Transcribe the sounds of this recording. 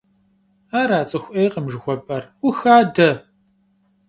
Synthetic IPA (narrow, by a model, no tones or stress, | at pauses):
aːɾaːt͡sʼɨxʷʔeːjqəmʒɨxʷɔpʼɐrʊxaːdɐ